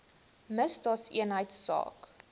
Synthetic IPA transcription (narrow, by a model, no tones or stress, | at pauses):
məsdɑːtsiənɦəjtssɑ̰ːk